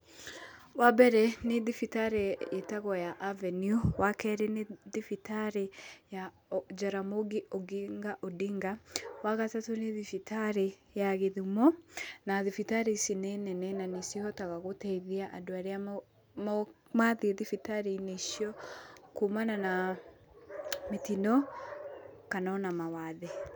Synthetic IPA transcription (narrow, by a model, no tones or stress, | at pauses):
wabɛɾɛneðifitaɾeetaɣɔjaʔavɛnjuwakɛɾeneðifitaɾeja | d͡ʒaɾamoɡeoɡiŋɡaʔodiŋɡawaɣatatoneðifitʰaɾe | jaɣeðimɔnaðifitaɾesinɛnɛnɛnanesiɔtaɣaɣotɛiðeaʔadoaɾea | m | maðieðifitaɾeineiʃiɔkomanana | metinɔ | kanɔnamawaðe